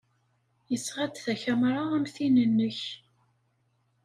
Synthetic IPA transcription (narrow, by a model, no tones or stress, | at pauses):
jəsʁæd̪θæçæmɾˤaʁæmθinənːəç